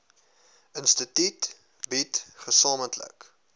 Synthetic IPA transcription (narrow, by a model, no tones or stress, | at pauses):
ənstətit | bitχəsɑːməntlə̰k